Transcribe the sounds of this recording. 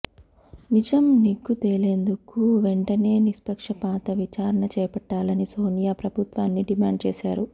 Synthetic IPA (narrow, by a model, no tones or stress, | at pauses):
nid͡ʒɐmniɡːut̪eːɭleːnd̪ukuʋeɳʈɐne̞ːnispɐkʂɐpaːt̪ɐʋit͡ʃaːɾɐɳɐt͡ʃɛːjpɐʈːaːlɐnisoːnijaːpɾɐbʱut̪ʋaːnːiɖimaːɳɖ̚t͡ʃɛːsaːɾu